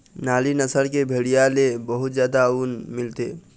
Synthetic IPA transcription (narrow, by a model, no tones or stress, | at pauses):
naːlinəsəlkebʱeɽijalebəɦut̪d͡ʒjaːd̪aunmɪlt̪e